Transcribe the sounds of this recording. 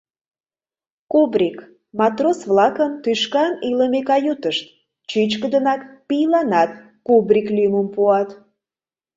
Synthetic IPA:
kubrʲik | mɑt̪rosvlɑkəmt̪yʃkɑniləmekɑjut̪əʃt̪̚ | t͡ɕit͡ɕkəd̪ənɑkpijlɑnɑt̪ | kubrʲiklyjməmpuɑt̪

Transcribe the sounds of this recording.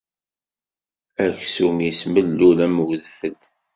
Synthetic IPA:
æçsumisməlːulæmwðəfəd̪

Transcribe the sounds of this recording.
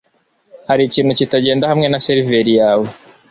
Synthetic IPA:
haɾiciːnhucitaɟe̞ːndahamŋe̞naseɾive̞ɾijaːwe̞

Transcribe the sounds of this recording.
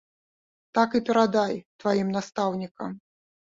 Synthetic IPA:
t̪akɨpʲɛɾad̪ajt̪vajimnast̪awnʲikɐ̰m

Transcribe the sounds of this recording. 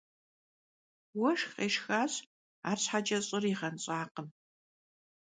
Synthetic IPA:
wɐʂxqʼeːʂxaːz | a̰ːrsħad͡ʒʼɐɕʼɪriʁɐnɕʼaːqəm

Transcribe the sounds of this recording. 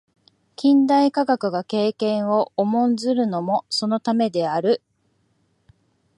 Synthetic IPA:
kʲĩnd̪aikaɡakɯ̟ɡake̞ːkẽ̞ɰ̃o̞ːmõ̞nd͡zɨɾɯ̟no̞mo̞so̞no̞t̪ame̞d̪e̞aɾɯ̟

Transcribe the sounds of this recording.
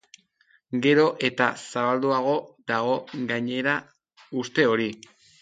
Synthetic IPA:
ɡe̞ɾo̞ʔe̞t̪a̰saβald̪uaɣ̞o̞ðaɣ̞o̞ɡaɲe̞ɾa | ust̪e̞o̞ɾi

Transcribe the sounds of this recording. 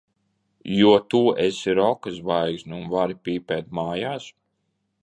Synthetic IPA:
juɔt̪uːʔesiɾɔkɨsvajksniunvaɾipʲiːpɛːt̪̚maːjaːs

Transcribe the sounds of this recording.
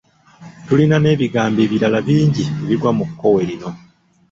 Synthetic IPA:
tulinane̞ːβiɡaːmbe̞ːβiɾalaβiːɲɟieβiɾwamukːo̞we̞ɾino̞

